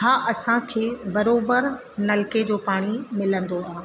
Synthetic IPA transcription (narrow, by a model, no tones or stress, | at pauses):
ɦaːʔɐsãkʰeːbɐɾoːbəɾ | nɐlɪked͡ʑoːpaːɽ̃imɪlə̃nd̪oaːɦ